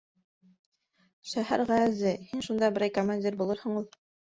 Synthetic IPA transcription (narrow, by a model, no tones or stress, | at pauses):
ʃæhæ̰ɾʁææzɘhinʃund̪ɑbɘ̆ɾæjkomanʲdʲirbulˠɤɾhɤ̆ɴulˠ